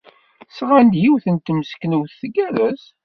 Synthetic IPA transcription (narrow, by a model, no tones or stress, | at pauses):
sʁand̪jiwθənt̪ːəmsə̥kːnuwθθəɡæðæz